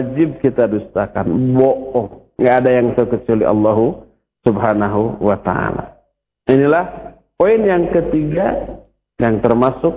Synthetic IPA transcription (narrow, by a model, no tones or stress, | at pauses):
d͡ʒɪb̚kit̪adust̪akanbɔʔɔŋɡaʔːdajaŋt̪əkət͡ʃuliʔɑ̰lːaɦu | subhanaɦuwat̪a̰a̰la̰ | inilah | poɪnjaŋkət̪iɡa | jaŋt̪ərmasʊk̚